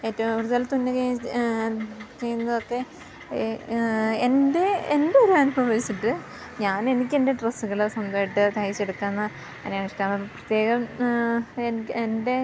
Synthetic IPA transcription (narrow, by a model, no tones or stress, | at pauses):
e̞ːtːɐʋumʋɾuðelɐt̪unːɨke | t͡ɕejunːɐðokːe̞ | ende̞endeoɾuanubʱɐʋɐʋit͡ɕːiʈːɨ | ɲaːne̞nikʲːe̞nde̞ʈrɐsːuɣɐɭsɐmd̪ɐːjiʈːɨt̪ʰɐjit͡ɕːeɽukːanːɐ | ɐnemiʂʈaːnːɐɐpːɐprɐt̪je̞ːɣɐm | enende̞